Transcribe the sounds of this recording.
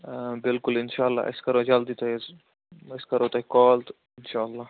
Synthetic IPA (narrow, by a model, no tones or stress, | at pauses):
bɪlkʊlɪnʃaːlːa̰ːɪ̰skɐɾod͡ʒald̪it̪az | ɪskɐɾoːt̪aikɔːlt̪ | ɪnʃaːɐlːaː